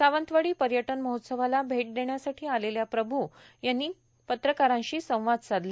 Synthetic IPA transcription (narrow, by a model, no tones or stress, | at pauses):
saʋənt̪ʋəɽiːpəɾjəʈənməɦot̪səʋalabʱeʈ̚d̪eɳjasaʈʰiːaleljapɾəbʱujanːiː | pət̪ɾəkaɾãɕiːsə̃w̃ʋad̪t͡sad̪la